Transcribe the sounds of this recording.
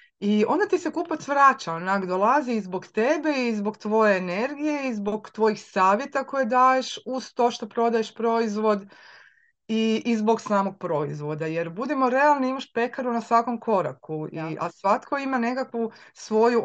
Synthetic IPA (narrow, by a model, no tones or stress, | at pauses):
iõ̞nd̪at̪isekupat̪sʋɾaːt͡ʃaonaɡd̪olˠaziizboɡt̪ebeizbo̞ɡt̪ʋo̞je̞ːneɾɡije̞izbo̞ɡt̪ʋo̞jixsaːʋje̞t̪ako̞jed̪aje̞ʃuzt̪o̞ʃt̪opɾo̞d̪ajeʃpɾo̞izʋo̞d̪ | iʔizbo̞ɡsaːmo̞ɡ̚pɾo̞izʋo̞d̪aje̞ɾbud̪imo̞ɾe̞alˠniimaʃpe̞kaɾunasʋako̞mkʰo̞ɾa̰kuiʔa̰sʋat̪kʰo̞imane̞kakʋusʋo̞ju